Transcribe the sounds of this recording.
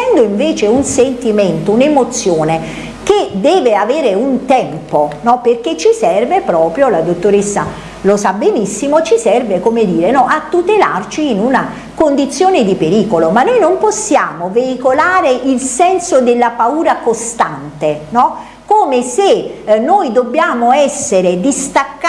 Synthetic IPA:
ɛnd̪oiɱveːt͡ʃeunsent̪iment̪ounemot̪sːjoːne | ked̪ɛːveaveːɾeunt̪ɛmponɔperk̟et͡ʃːisɛrvepɾɔːpɾjolad̪ot̪ːoɾesːa̰ | losabenisːimot͡ʃisɛrvekomed̪iːɾenɔʔat̪ːut̪ela̰rt͡ʃiːnuna | kond̪it̪sːjoːned̪ipeɾiːkolomanːojnomposːjaːmoveikolaːɾeʔilsɛnsod̪elːapauːɾakost̪ant̪enɔ | koːmesenːojd̪obːjaːmoɛsːeɾed̪ist̪akː

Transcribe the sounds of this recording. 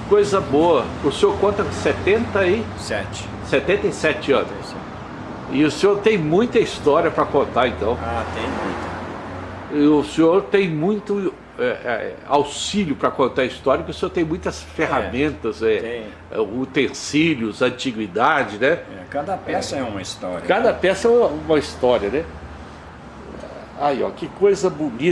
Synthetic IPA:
kojzɐboɐʊsẽoɾkõnt̪ɐset̪ẽnt̪ɐɪ | sɛt͡ʃɪ̥ | set̪ẽnt̪ɐɪsɛt͡ʃɪɐ̃nʊs | ɪʊseoɾt̪ẽj̃mũj̃t̪ɐist̪ɔɾiɐpɾɐkõnt̪aẽnt̪ɐ̃w̃at̪ẽj̃mũj̃t̪ɐ | ɪʊsẽoɾt̪ẽj̃mũj̃t̪ʊ | ɛɛ̰awsilʊpɾɐkõnt̪aɐist̪ɔɾjɐpʊkɪʊsẽoɾt̪ẽj̃mũj̃t̪ɐsfeɦamẽnt̪ɐzɛẽ | ut̪ẽsilʊzɐ̃nt͡ʃiɡwid̪ad͡ʒɪnɛɛkad̪ɐpɛsɐɛũmɐist̪ɔɾʲɐkad̪ɐpɛsɐɛuɐũmɐist̪ɔɾiɐnɛ | ajɔ̰kɪkojzɐbuni

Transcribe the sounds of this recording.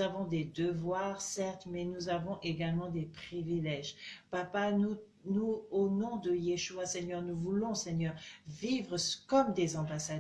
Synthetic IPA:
avɔ̃d̪ed̪əvwaʁsɛʁt̪mɛnuzavɔ̃ʔeɡalmɑ̃d̪epχivilɛʒpapanu | nuonɔ̃d̪əjeʃuasɛɲœʁnuvulɔ̃sɛɲœʁvivʁəskɔmd̪ezɑ̃basad̪

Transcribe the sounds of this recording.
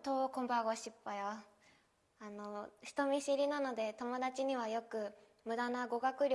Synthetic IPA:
t̪okombaɡoɕipːajo | anoɕi̥t̪omʲiɕiɾʲinano̞d̪e̞t̪o̞mo̞d̪at͡ɕiɲiβajokɯ | mɯ̟d̪anaɡoɡakɯɾʲ

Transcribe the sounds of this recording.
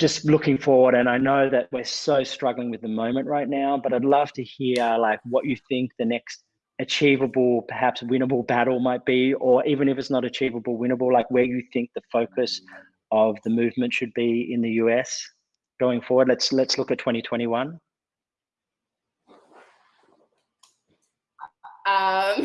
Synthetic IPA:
d̥ʒ̥ʌstlʊkɪ̃ŋfɔɹwə˞ɾɨ̃naɪnoʊðɨʔ̚wɪɹsoʊstɹ̥ʌɡlˠɪ̃ŋwɨðɨmõʊ̃mɨ̃nʔɹaɪtⁿnaʊbʌɾaɪdˡlʌv̥tʰɨhiɹlaɪk̚wʌt͡ʃɨθɪ̃ŋk̚ðɨnɛkst̚ | ɨt͡ʃʰivəbl̩ˠpʰə˞hæpswɪ̃ñə˞bl̩ˠbæɾl̩ˠmaɪt̚b̥iə˞ʔivɨ̃ñɨfɨtsnəɾɨt͡ʃʰivəbl̩ˠwɪ̃ñə˞bl̩ˠlaɪkwə˞jɨθɪ̃ŋk̚ðɨfoʊkʰɨs | ʌvðɨmʉvmɨ̃ntʃɨd̚biɪ̰̃nðɨjʉɛs | ɡ̥oʊɪ̃ŋfɔɹwə˞dˡlɨtslɨtslʊkɨtʰw̥ɛ̃ɾ̃itʰw̥ɛ̃ɾ̃iwʌ̃n | ʌ

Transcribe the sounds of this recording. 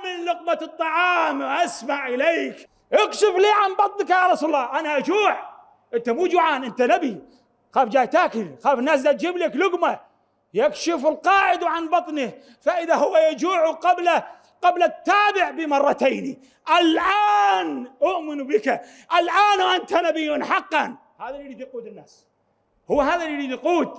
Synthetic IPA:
mɪnlʊqbat̪ˤːɑʕɑːmwʔasmaʕʔɪleːk | ʔakʃɪfliːʕanbɑt̪ˤnɪkajaɾˤɑsuːlɑlːɑːʔanaʔad͡ʒuːʕ | ʔɪnt̪amuːd͡ʒuːʕaːnʔɪnt̪anabi | xaːfd͡ʒaːjt̪aːkɪlxaːfɪnːaːs̬d̪at̪̚d͡ʒɪblaklʊɡma | jakʃɪfɪlqɑːʕɪd̪wʕanbɑt̪ˤnɪ | faʔɪðahʊwːajad͡ʒuːʕuqɑbla | qɑblat̪ːaːbɪʕbɪmɑrˤːɑt̪eːni | ʔalʕaːnʔʊʔmɪnubɪka | ʔalʕaːnwʔant̪anabɪjːʊnħɑqːɑn | haːðalɾiːd̪quːd̪ɪnːaːs | hʊwːaɦaːðaliɾiːd̪quːd̪

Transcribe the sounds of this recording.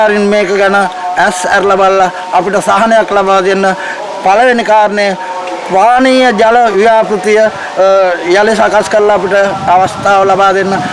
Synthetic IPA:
aːɾinmeːkəɡanəɛsæɾlabalːaː | piʈəsaɦanejaklabaːd̪enːə | paləʋenikaːɾnejə | sʋaːniːjəd͡ʒaləijaːpɾut̪ijə | jalisakaskəɾlaːpiʈəaʋɐst̪aːʋəlabaːd̪enːə

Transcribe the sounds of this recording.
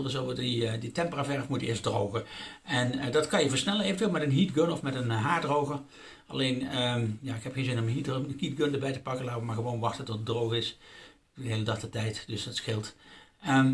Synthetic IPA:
lˠəsowʋˠdiditɛmpəraːvɛɹfmutəɪːɹsdrowɣəɛndɑtkɑnjəvəɹsnɛlənejvəntʋɪlˠmɛtənɦidɡønɔfmɛtənɦaːɹdrowɣə | ɑ̰lejnəjaɪkɦɛpxenzɪnɔməɦithidɡøndəɹbɛjtə̥pɑkənlaːtəʋəmaɹɣəʋoːnʋɑxtəntɔtədrowɣɪs | udəɦejlədɑxtətɛjtdɵsətsxɪlˠtə

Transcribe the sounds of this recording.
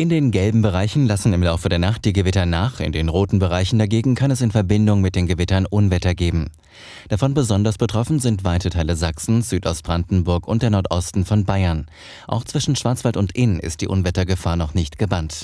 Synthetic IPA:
ʔɪndeːnɡɛlbm̩bəʁaɪçn̩lasn̩ɪmlaʊfədeːɐnaχt̚d̥iːɡəvɪtɐnaːχɪ̰ndeːnʁoːtn̩bəʁ̞aɪçn̩daɡeːɡŋ̩kʰanɛsɪnfɛɐbɪndʊŋmɪt̚d̥eːnɡəvɪtɐnʔʊnvɛtɐɡeːbm̩ | d̥afɔnbəzɔndɐsb̥ətʁ̥ɔfn̩zɪntv̥aɪtətʰaɪləzaksn̩z̥yːtʔɔst̚b̥ʁandn̩bʊɐkʊnt̚d̥eːɐnɔɐtʔɔstn̩fɔnbaɪɐn | ʔa̰ʊxt͡sv̥ɪʃn̩ʃv̥aɐt͡sv̥altʊntʔɪnɪ̰st̚d̥iːʔʊnvɛtɐɡəfaːɐnɔχnɪçtɡ̥əbant

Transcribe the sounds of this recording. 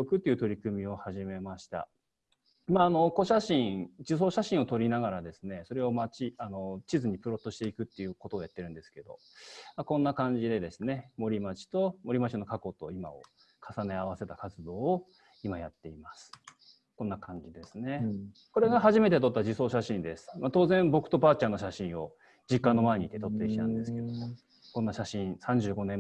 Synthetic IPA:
okɯ̟t̪ːeiɯ̟t̪o̞ɾʲikɯ̟mʲio̞haʑime̞maɕi̥t̪a̰ | imaːno̞ko̞ɕaɕĩɴd͡ʑis̬o̞ːɕaɕĩɰ̃o̞t̪o̞ɾʲinaɡaɾad̪e̞sɨne̞so̞ɾe̞omat͡ɕiano̞t͡ɕizɨɲ̟ipɯ̟ɾo̞t̪ːo̞ɕi̥t̪eikɯ̟t̪ːe̞jɯ̟ːko̞t̪oːjat̪ːe̞ɾɯ̟nd̪e̞sɨ̥ke̞d̪o̞̰ | makõ̞nːakãɲ̟d͡ʑid̪e̞d̪e̞sɨne̞mo̞ɾʲimat͡ɕi̥t̪o̞mo̞ɾʲimat͡ɕino̞kako̞t̪o̞ima̰o̰ | kʰasane̞aβ̞ase̞t̪akat͡sɨd̪o̞ːo | imajat̪ːe̞imasɨ̥ | kõ̞nːakʰãɲ̟d͡ʑid̪e̞sɨne̞ | ko̞ɾe̞ɡaɦaʑime̞t̪e̞t̪o̞t̪ːad͡ʑiso̞ːɕaɕĩnd̪e̞sɨ̥mat̪o̞ːzẽ̞mbo̞kɯ̟̥t̪o̞paːt͡ɕãnːo̞ɕaɕĩɰ̃o̞ | d͡ʑikːãnːo̞maeɲ̟it̪ːet̪o̞t̪ːeiɕit̪ã̰nd̪e̞sɨ̥ke̞d̪omo | kõ̞nːaɕaɕĩɰ̃sãɲ̟d͡ʑɨːɡo̞nẽ

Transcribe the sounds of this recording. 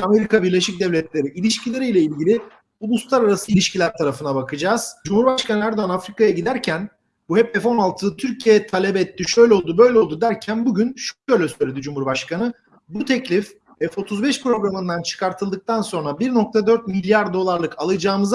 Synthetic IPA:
ame̞ɾikabiɾlʲeʃic̚d̪ɛvlʲɛt̪lʲe̞ɾiʔilʲiʃcilʲe̞ɾijlʲɛilʲɟilʲɪ | ulˠuslˠaɾaɾasɯilʲiʃcʰilʲæɾt̪ʰaɾafɯnabakʰɯd͡ʒaːz̥d͡ʒumhuɾbaʃkanɯæɾd̪oanafɾikajaɟid̪æɾcʰæn | buhɛpɛfo̞nalˠt̪ʰɯːt̪ʰyɾcʰijejɛt̪ʰalʲebɛɛt̪ʰːiʃø̞jlʲɛlˠd̪ubø̞jlʲɛo̞lˠd̪ud̪æɾcʰænbuɟynʃʃøjlʲɛsøjlʲed̪id͡ʒumuɾbaʃkʰanɯ | but̪ʰɛclʲif | ɛfo̞t̪ʰuzbɛʃpɾo̞ɡɾamɯnd̪ant͡ʃʰɯ̥kʰaɾt̪ʰɯlˠd̪ɯk̚t̪ʰanso̞nɾabiɾno̞k̚t̪ʰad̪ø̞ɾt̪̚milʲjaɾd̪o̞lˠaɾlˠɯkʰalˠɯd͡ʒaːmɯz

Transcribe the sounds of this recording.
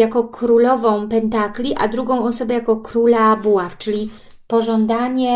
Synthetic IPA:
jakɔkɾulɔvɔ̃w̃pɛnt̪aklʲiʔa̰d̪ɾuɡɔ̃w̃ɔsɔbɛjakɔkɾulabuaft͡ʂɘlʲi | pɔʐɔnd̪aɲɛ

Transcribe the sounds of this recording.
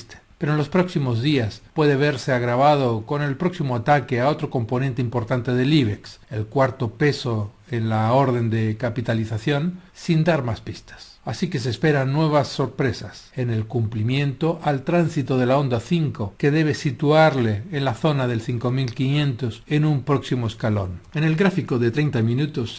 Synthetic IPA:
st̪e̥peɾonlo̞spɾo̞ksimo̞zðiaspwe̞ðeβe̞ɾse̞aɣ̞ɾaβ̞aðoko̞ne̞lpɾo̞ksimoat̪akeao̞t̪ɾo̞ko̞mpo̞nent̪eimpo̞ɾt̪ant̪e̞ðeliβekselkwaɾt̪o̞pe̞so | enlaoɾðe̞nd̪ekapit̪aliθaθjo̞nsind̪aɾmaspist̪ḁs | asike̞s̬espe̞ɾanːwe̞β̞asːo̞ɾpɾe̞sasene̞lkumplimjẽ̞nt̪o̞ʔalt̪ɾansit̪o̞ðe̞lao̞nd̪aθiŋko̞ke̞ðe̞β̞e̞sit̪uaɾle̞ːnlaθo̞naðe̞lθiŋko̞milkinjẽ̞nt̪o̞senumpɾo̞ksimoeskalo̞̰nene̞lɡɾafikoðet̪ɾe̞jnt̪amĩnut̪os

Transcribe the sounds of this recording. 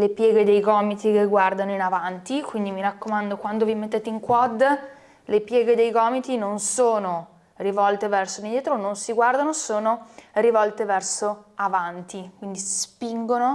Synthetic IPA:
lepjɛːɡed̪ejɡɔːmit̪ikeɡward̪anoinavant̪ikwind̪imiɾakːomand̪okwand̪ovimet̪ːeːt̪eiŋkwɔd̪ | lepjɛːɡed̪ejɡɔːmit̪inonsoːno | rivɔlt̪evɛrsod̪ind̪jɛːt̪ɾononsiɡward̪anosoːnorivɔlt̪evɛrsoavant̪ikwind̪isspiŋɡono

